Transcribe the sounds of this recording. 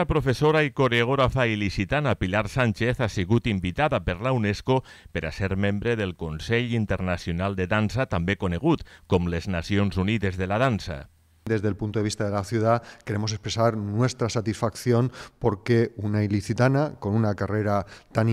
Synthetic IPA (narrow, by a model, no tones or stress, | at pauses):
apɾofesoɾaikoɾeɣoɾafailisit̪anapilaɾsanʲt͡ʃeθasiɣut̪imbit̪aðapeɾlauneskopeɾʔaseɾmembɾeðelˠkonseʎint̪eɾnasjonalˠd̪eðansat̪ambekoneɣ̞ut̪komleznasionzuniðezðelað̞ansa̰ | d̪ezðelpunt̪oðeist̪aðelaθjuðakeɾemosespɾesaɾnwest̪ɾasat̪isfakθjonpoɾkeunailiθit̪anakonunakareɾat̪an